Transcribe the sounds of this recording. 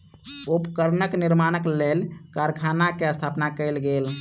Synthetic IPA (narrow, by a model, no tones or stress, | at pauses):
upkəɾnəkniɾmanəklelkaɾkʰanakeəst̪ʰapnakəjlɡel